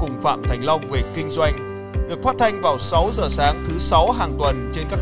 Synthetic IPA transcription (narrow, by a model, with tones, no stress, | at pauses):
kʊ˨˩ŋ͡mfa̰ː˧˨mt̪ʰɛ˨˩jŋ̟la˧wŋ͡mve˨˩kï˧ŋ̟zwa˧jŋ̟ | ɗɨ˨˩ək̚faː˦˥t̚t̪ʰa˧jŋ̟vaː˨˩wsa˨˦wzəː˨˩saː˨˦ŋt̪ʰɨ˨˦sa˨˦wɦaː˨˩ŋt̪wə˨˩nt͡ɕe˧nkaː˦˥